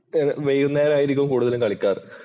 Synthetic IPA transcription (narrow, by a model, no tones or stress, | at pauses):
enʋejɣunːejɐɾaːjiɾik̬ʲːumkuːɽuðɐlukɐɭikʲːaːr